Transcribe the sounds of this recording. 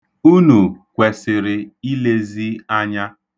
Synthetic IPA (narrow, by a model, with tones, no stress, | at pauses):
u˦nu˨kʷe˨sɪ˨ɾɪ˨i˦le˦zi˦a˦ɲa˦